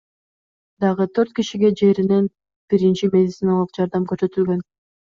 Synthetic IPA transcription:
d̪ɑʁɯt̪ʰøɾt̪̚kiʃiɡe̞d͡ʒe̞ɾine̞n | b̥iɾint͡ʃimʲe̞dʲɪt̪sɨnalˠɯqd͡ʒɑɾd̪ɑmkøɾsø̞t̪ylɡø̞n

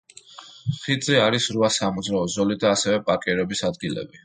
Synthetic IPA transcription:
χid̪zʼiaɾisɾuasamud̪zɾaɔzɔlid̪aːsɛvɛpʼakʼɛɾɛbisad̪̚ɡilɛ̰bi

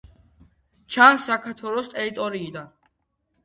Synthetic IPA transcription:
t͡ʃʰansːakʰaɾt̪ʰwɛlˠɔst̪ʼɛɾit̪ʼɔɾiːd̪an

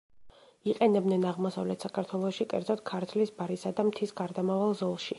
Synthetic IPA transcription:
iqʼɛnɛbnɛnaʁmɔsavlɛt̪ʰsakʰaɾt̪ʰwɛlˠɔʃikʼɛ̰ɾd̪zɔt̪̚kʰaɾt̪ʰlisbaɾisad̪amt̪ʰisɡaɾd̪amavalˠzɔlˠʃi

